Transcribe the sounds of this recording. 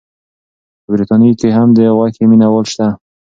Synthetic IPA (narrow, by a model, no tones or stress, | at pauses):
bɾit̪ɑnikeɦamd̪əwakeminawəlʃt̪a